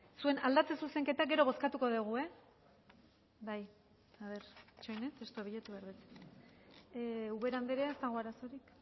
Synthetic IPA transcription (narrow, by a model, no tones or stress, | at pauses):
sue̞na̰ld̪at͡se̞suse̞ŋke̞t̪aɡe̞ɾo̞β̞o̞skat̪uko̞ðeɣ̞ue̞ | baj | aβe̞ɾt͡ʃojnet̪est̪uoβiʎet̪uβaɾβet͡se̥ | uβe̞ɾand̪eɾeaest̪aɣoaɾaso̞ɾik